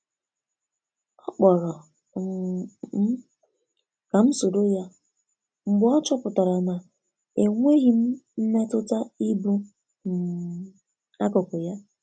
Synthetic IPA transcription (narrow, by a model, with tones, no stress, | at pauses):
ɔ˦k͡pa˨ɣa˨ | m̩˦ | ka˨m̩˦so˨do˦ja˦ | ŋ͡m̩˨ɡ͡bɔ˦t͡ʃɔ˦pʊ˨ta˨ɾa˨na˨ | e˨ŋʷe˦ɣi˦m̩˦n̩˦ne˦tʊ˦ta˦i˦bu˦˨ | a˦kɔ˨kʊ˨ja˦